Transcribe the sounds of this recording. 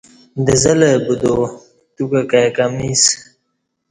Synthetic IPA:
d̪əzɐlebud̪o | t̪ukakakamis

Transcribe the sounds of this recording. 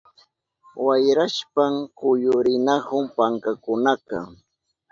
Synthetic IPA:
wajɾaʃpaŋkʊjʊɾɪnahʊmpaŋkakʊnakɑ̰

